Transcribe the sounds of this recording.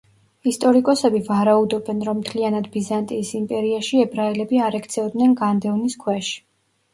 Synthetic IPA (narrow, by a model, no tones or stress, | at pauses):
ist̪ʼɔɾikʼɔsɛbivaɾaud̪ɔbɛnɾɔmːt̪ʰlianad̪bizant̪ʼiːsimpʼɛɾiaʃiɛbɾaɛlɛbiaɾɛkʰt̪sʰɛɔd̪nɛnɡand̪ɛvniskʰwɛʃi̥